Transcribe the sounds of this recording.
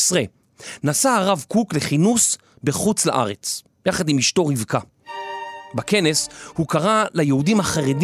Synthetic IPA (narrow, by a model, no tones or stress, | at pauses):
sʁe | nasaaʁavkukle̞χinus | beχut͡sla̰ʔa̰ʁet͡s | jaχadimiʃto̞ʁivka | bake̞neshukaʁalajeudimhaχaʁed